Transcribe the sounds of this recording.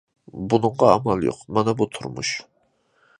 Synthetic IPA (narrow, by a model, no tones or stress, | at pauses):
bunɨɴʁɑæmɑlˠjo̰qmɛnɛbut̪ʰʊɾmṵʃ